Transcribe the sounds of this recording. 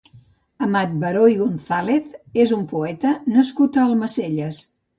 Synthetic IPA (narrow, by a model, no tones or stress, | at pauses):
əmat̪̚bəɾojɣonθaleθezumpuɛt̪ənəskut̪əːlˠməseʎəs